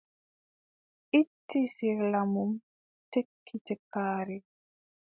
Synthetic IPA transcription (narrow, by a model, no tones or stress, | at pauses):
ʔitːisiɾlamum | tekʰːitɛkaːɾi